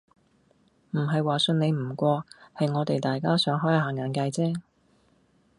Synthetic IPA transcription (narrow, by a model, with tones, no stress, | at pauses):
m̩˨˩ɦɐ˨jwaː˨sɵ˧ne˨˧jm̩˨˩kʷɔː˧hɐ˨jŋɔː˨˧t̪e˨jt̪aː˨jkaː˥sœː˨˥ŋɦɔː˥jha˨˧ɦaː˨˩ŋːaː˨˧nka˧jt͡sɛː˥